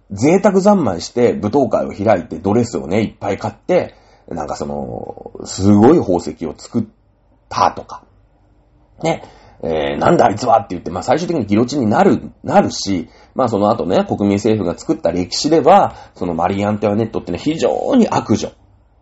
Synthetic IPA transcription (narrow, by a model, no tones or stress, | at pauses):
d͡ze̞ːt̪ak̬ɯ̟zãmːaĩɕi̥t̪e̞bɯ̟t̪o̞ːka̰ḭo̞̰çiɾait̪e̞d̪o̞ɾe̞sɨo̞̰ne̞ipːaikat̪ːe̞ | nã̰ŋkaso̞̰no̞̰sɨɡo̞iho̞ːse̞kʲio̞t͡sɨ̥kɯ̟t̪ː | a̰t̪o̞kḁ | ne̞ | ḛnã̰nd̪ait͡sɨβat̪ːejɯ̟t̪ːe̞maːsaiɕ̬ɨt̪ekiɲ̟iɡʲiɾo̞t͡ɕiɲ̟inaɾɯ̟naɾɯ̟ɕi | maːs̬o̞no̞at̪o̞ne̞ko̞kɯ̟mʲĩɰ̃se̞ːɸɯ̟ɡat͡sɨ̥kɯ̟t̪ːaɾe̞kʲi̥ɕid̪e̞βaso̞no̞ma̰ɾʲiãnt̪o̞jane̞t̪ːo̞t̪ːenoçiʑo̰ːɲ̟iʔakɯ̟ʑo̰